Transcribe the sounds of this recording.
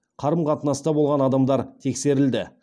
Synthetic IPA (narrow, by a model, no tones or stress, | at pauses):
qʰɑɾəmqʰɑt̪ənɑst̪ɑbo̞lˠʁɑnɑd̪ɑmd̪ɑɾt̪ʰe̞kse̞ɾɪld̪ɪ